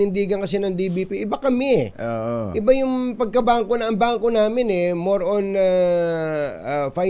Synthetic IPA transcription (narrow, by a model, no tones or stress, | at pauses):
ɪnd̪iːɡɐnkɐsɛnɐŋd̪ibipiʔɪbakɐmɛʔoʔoʔɪbajʊŋpɐɡ̚kɐbaːʔɐŋkonɐɐmbaːʔɐŋkonaːmɪnɛmoɾona | fa